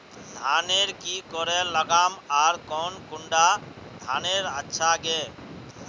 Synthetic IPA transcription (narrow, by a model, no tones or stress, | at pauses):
d̪ʱaːneːɾkiːkɔɾɛːləɡaːmaːɾkoːnkʊɳɖaːd̪ʱaːneːɾətːʃʰaɡeː